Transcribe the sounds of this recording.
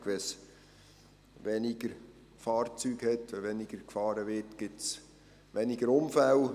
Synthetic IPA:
ʋɛs | ʋɛnɪɡ̥əɾ | fɑːɾt͡syːɡhɛtːɛʋɛnɪɡ̥əɾkfɑːɾəʋɪtɡ̥ɪts | ʋɛniɡəɾʊmfæl

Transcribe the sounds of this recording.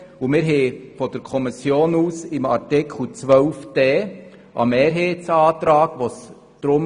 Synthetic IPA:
umɪɾɦɛfɔd̥əɾkʰɔmɪsjoːnuːsɪmɑɾtɪkʰl̩t͡sʋœʊfteː | ʔɑ̰meːɾɦeːt͡sɑːtɾɑːɡ̥ʋos | d̥ɾʊm

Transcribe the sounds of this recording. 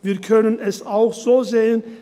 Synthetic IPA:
viːɐkʰœnənɛsaʊxz̥oːzeːən

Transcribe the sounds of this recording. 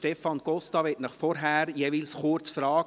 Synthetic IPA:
tɛfɑnɡ̥ɔstɑʋɪtnɑχfɔɾɦæɾjeːviːlsχʊɾt͡sfɾɑː

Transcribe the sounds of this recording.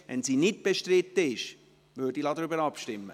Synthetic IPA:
ʋɛnsiːnɪt̚b̥eʃtɾɪt̪ːəɪʃ | ʋøːdilɑd̪əɾybəɾɑpʃtɪmːə̰

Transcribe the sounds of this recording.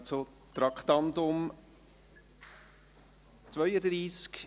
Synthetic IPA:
t͡so | t̪ɾɑkχt̪ɑnd̪ʊm | t͡svœʏəd̪ɾiːsk

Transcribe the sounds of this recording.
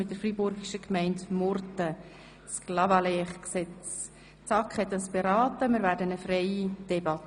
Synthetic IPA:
mɪt̚dəɾfribʊrɡiʃəkmɛɪndmʊrtə | sklɑvɑlɛːχksɛt͡s | t͡sɑkχhɛt̪dɑsb̥eɾɑːt̪əmɪːɾʋæːɾdənəfrɛɪid̥ɛbɑtː

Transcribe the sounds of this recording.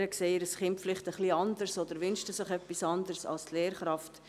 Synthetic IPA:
ɾəkseːəɾəsχɪntflɪχtəχliɑndəɾsod̪əɾʋʏnʃtəsɪχɛpːisɑndəɾsɑ̰lstleːɾχɾɑft

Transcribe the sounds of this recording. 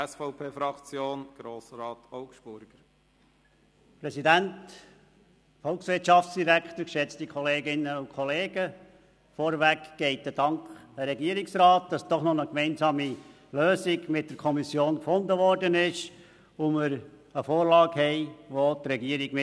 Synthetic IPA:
ɛsfɔʊpʰeːfɾɑkt͡sjoːnɡ̥ɾoːsɾɑːtɔʊkʃb̥ʊɾɡ̥əɾ | pɾɛsidænt | fɔlksʋɪtʃɑftsd̥iɾækt̪əɾkʃɛt͡stikʰχɔleːɡɪnəʊkʰχɔleːɡə | fɔɾʋækɡ̥ɛɪtəd̥ɑŋkχəɾɛɡiəɾiksrɑːt̚d̥ɑsd̥ɔχnɔnəkmɛɪnsɑːmi | løːsiɡmɪt̚d̥əɾkʰɔmisjoːnkfʊndəʋɔrdənɪʃ | ʊmɪɾ | əfoːɾlɑːɡhɛɪʋotɾɛɡiəɾiɡ̥mɪ

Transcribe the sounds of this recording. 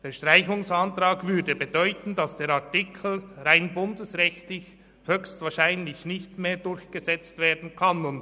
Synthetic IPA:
d̥eːɐʃtʁ̥aɪçʊŋsantʁaːkvʏɐdəbedɔʏtn̩dɑsd̥eːɾaɐtɪkʰl̩ʁaɪnbʊndəsʁɛçtlɪç | høçstvaːʃaɪnlɪçnɪçtmeːɐdʊɾçɡ̥əzɛt͡stv̥eːɐdn̩kʰanʊnt

